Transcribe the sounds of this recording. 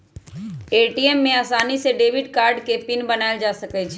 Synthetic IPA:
eʈiemːeaːsaniseɖebiɖkaɾɖkepinbənaeld͡ʒasəkɛt͡ʃʰɛ

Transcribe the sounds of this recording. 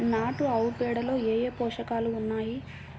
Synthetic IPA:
naːʈuɐwpɛːɽɐlo̞ːeːjeːpɔːʂɐkaːluːnːaːji

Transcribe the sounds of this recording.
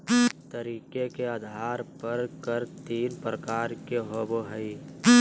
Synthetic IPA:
t̪əɾiːkekead̪ʱaːɾpəɾkəɾt̪iːnpɾəkaːɾkeɦoboɦəi

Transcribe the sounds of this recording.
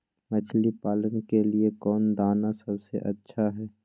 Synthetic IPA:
mɐt͡ʃʰlipaːlənkeliekɔːnd̪aːnasɐbsḛʔɐtːʃʰaɦɛː

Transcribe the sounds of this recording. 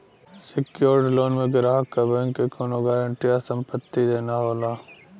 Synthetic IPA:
sɪkjoːɾɖloːnmẽɡɪɾaːɦkːabeŋkekoːnoɡaːɾəɳʈijasə̃mpət̪ːid̪eːnaɦoːlaː

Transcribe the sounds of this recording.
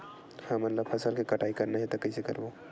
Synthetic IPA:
hãmɐt̪ləbfʰɐsəlkikɐʈʰaːikɐɾnaɦɛt̪okɐisekɐ̰ɾboː

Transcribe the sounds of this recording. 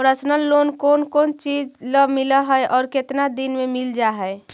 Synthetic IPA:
ɔɾəsnəlːonkonkont͡ʃid͡ʒləmiləɦəjʔɔːɾket̪nad̪inmemild͡ʒaɦɛe

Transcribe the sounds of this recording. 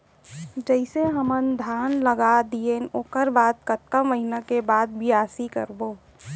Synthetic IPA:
d͡ʒəɪseɦəmənd̪ʱaːnləɡad̪ijenoːkəɾbaːt̪̚kət̪̚kəmʋəɦɪnakebaːd̪̚bʱiaːsikə̰ɾboː

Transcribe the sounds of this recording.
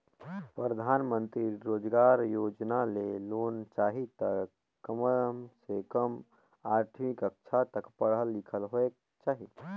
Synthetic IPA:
pɾəd̪ʱaːnmə̃nt̪ɾiɾoːd͡ʒɡaːɾjoːd͡ʒnaleloːnt͡ʃaːɦit̪ə | kːəməmsekəm | aːɾʈ̪ʰmɪkəkʃʰat̪əkpəɽɦəlːikʰəlɦoe | t͡ʃaːɦi

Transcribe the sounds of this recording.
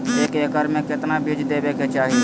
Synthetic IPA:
eːkeːkəɾmẽkɪt̪nabʱɪd͡ʒd̪eːbeːket͡ʃaːɦie

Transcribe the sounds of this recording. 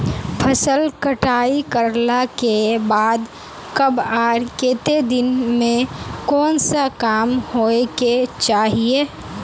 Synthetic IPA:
pʰəsəlkəʈaːikəɾlakebaːd̪ | kəbaːɾkeːt̪ed̪ɪnmẽkɔːnsakaːmhoːeket͡ʃaːɦieː

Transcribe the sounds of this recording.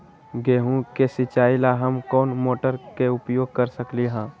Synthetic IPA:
ɡeːɦũkesɪt͡ʃaːilaɦəmkɔːnmoːʈəɾkeʊpjoːɡ̚kəɾsəkliɦãː

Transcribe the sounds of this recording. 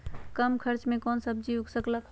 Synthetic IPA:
kəmkʰəɾt͡ʃmẽkɔːnsəb̚d͡ʒiʊɡsəklak

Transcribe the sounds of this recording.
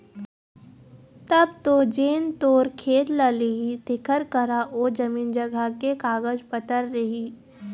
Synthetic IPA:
t̪ɐbt̪od͡ʒeːnt̪oːɾkʰeːt̪laliit̪ɪkʰəɾkəɾaʔod͡ʒɐmiːnd͡ʒəɡʱakekaːɡəd͡ʒpət̪əɾːɐɦiː

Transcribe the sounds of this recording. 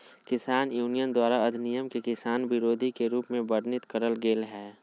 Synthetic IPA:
kɪsaːnjuːnijənd̪waːɾaɐd̪ʱnijəmkekɪsaːnʋɪɾoːd̪ʱikeɾuːpmẽbəɾnɪt̪kəɾəlɡeːlɦɛː

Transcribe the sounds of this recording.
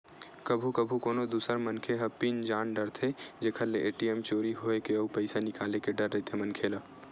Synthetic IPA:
kəbʱukəbʱukoːnod̪uːsəɾmənkʰeɦəpind͡ʒaːnɖəɾt̪ʰed͡ʒekʰəlːeʔeːʈiemt͡ʃoːɾiɦoekeɐupəɪsanɪkaːlekeɖəɾːəɦet̪ʰemənkʰelə

